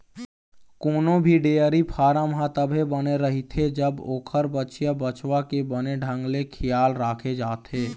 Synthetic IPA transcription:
koːnõbʱiɖeːəɾipʰaːɾamɦãt̪əbʱebəneɾɐɦit̪ʰed͡ʒəboːkʰəɾbət͡ʃjabət͡ʃwakebəneɖʱə̃ŋɡlekʰɪjaːlɾaːkʰed͡ʒaːt̪eː

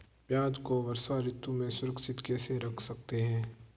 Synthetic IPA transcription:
pjaːd̪koʋɐɾsaɾɪt̪ːumẽsʊɾəkʃɪt̪kɛːseɾɐkʰsɐk̚t̪eɦɛ̃ː

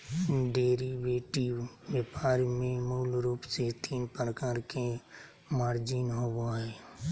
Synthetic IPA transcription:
ɖeːɾiʋeːʈiʋ | ʋeːpaːɾmẽmoːlɾuːpset̪iːnpəɾəkaːɾke | maːɾd͡ʒinɦobaɦɛː

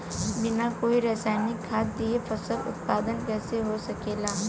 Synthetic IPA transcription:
bɪnakoːiɾɛːsaːɪnɪkʰːaːt̪ːiefɐsəlʊ̰t̪̚paːd̪ənkɛːseɦosɐkeːlaː

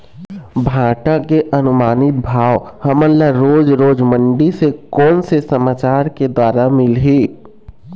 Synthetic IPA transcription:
bʱãːʈakeʔənʊmaːnɪt̪̚bʱaːwhɐmənlaɾoːd͡ʒɾoːd͡ʒməɳɖisekɔːnsesəmaːt͡ʃaːɾked̪waːɾamɪlɦiː

